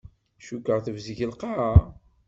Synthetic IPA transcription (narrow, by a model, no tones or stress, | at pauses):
ʃukːəʁθəvzʝəlqɑɾa